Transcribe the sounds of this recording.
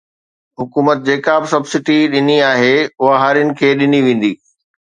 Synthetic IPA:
ɦʊkuːmət̪̚d͡ʑeːkabɪsɐbsɪʈiɗɪniaːɦeʊɦaɦaːɾijənɪ̆kʰeːɗɪniʋẽːn̆d̪iː

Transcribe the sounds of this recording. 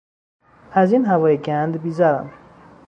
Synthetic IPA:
æziːnɦævɒːjeɟænd̪biːzæɾæ̰m

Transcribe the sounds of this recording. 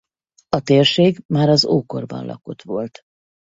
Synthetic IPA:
ɒt̪eːrʃeːɡmaːɾɒzoːko̞̰rbɒ̰nlʔɒ̰ko̞t̪ʋo̞lt̪

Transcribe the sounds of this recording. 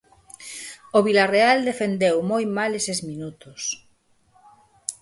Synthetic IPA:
oβilareald̪efend̪ewmojmalesezminut̪os

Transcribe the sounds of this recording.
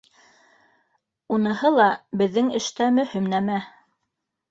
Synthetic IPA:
unɤ̆hɤlˠɑbɘ̆ðːɘŋɘ̆ʃt̪æmɵ̆himnæmæ

